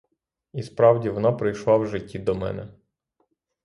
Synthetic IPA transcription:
ispɾɑwdʲiʋɔnɑpɾɪjʃlˠɑwʒɪtʲːid̪ɔmɛ̰nɛ

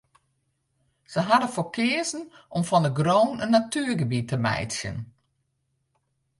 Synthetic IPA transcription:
z̥əɦadəfokʰɪəzn̩ʔɔmfɔnəɡroːnənːatyːrɡəbitəmɛ̰jtsjə̰n

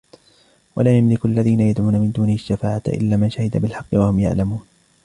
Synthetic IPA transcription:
walamjamlɪkʔalːaðiːnajad̪ʕuːnamɪnd̪uːnɪhʃːafaːʕat̪ʔɪ̰lːaːmanʃahɪd̪abɪlħɑqːɪwahʊmja̰ʕlamuːn

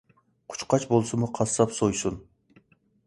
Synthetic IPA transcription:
qʰʊ̥t͡ʃqɑt͡ʃbolˠsɨmuqʰɑsɑpsojsun

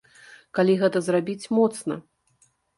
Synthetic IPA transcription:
kalʲiɣɛt̪ɐzrabʲit͡sʲmɔt̪snɐ̰

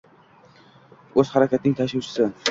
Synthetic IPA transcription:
ɵz̥haɾakʲʰat̪̚nɪŋt̪ʰaʃʊwt͡ʃʰɪ̥sɪ

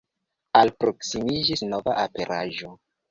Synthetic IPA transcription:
alpɾo̞ksimid͡ʒisnova̰ʔape̞ɾʔaʒo̞

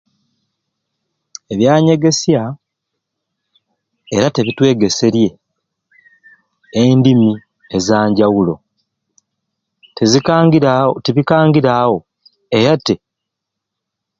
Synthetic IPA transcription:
e̞βjaːɲe̞ɡe̞sja | eɾate̞βitwe̞ːɡe̞se̞ɾje̞ | endimi | ezaːɲɟawulo̞̰ | tezi | teβikaːŋɡiɾawo̞ | e̞ɾate̞

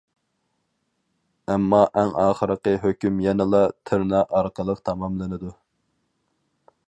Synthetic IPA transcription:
ɛmːɑʔɛŋɑːχəɾəqəɦøkʲymjɛnɪlˠɑt̪ʰɨɾnɑʔɑɾqəlˠəqt̪ʰɑmɑmlˠɨnɨd̪u

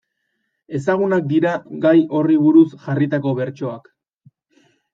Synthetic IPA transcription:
e̞saɣ̞unak̚d̪iɾaɡajʔo̞riβuɾusʝarit̪ako̞βe̞ɾt͡ʃo̞ak

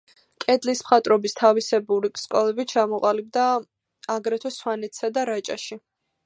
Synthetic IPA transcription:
kʼɛd̪lismχat̪ʼɾɔbist̪ʰavisɛbuɾiskʼɔlɛbit͡ʃʰamɔqʼalib̚d̪aː | ɡɾɛt̪ʰwɛswanɛt̪ʰsad̪aɾat͡ʃʼa̰ʃi

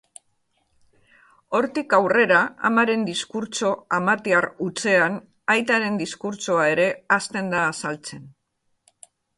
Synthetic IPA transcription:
o̞ɾt̪ikawre̞ɾaa̰maɾe̞nd̪iskuɾt͡ʃo̞amat̪iarut͡se̞an | ajt̪aɾe̞nd̪iskuɾt͡so̞ae̞ɾe̞ast̪e̞nd̪aːsalt͡se̞n

